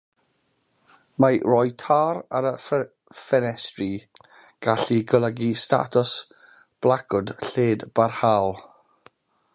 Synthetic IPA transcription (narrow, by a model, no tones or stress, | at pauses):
marɔjtʰaːɾaɾəf | fɛnɛstri | ɡ̥aɬiɡɔlˠəɡista̰tʰʊs | b̥lˠakʰʊd̥ɬeːdb̥arhalˠ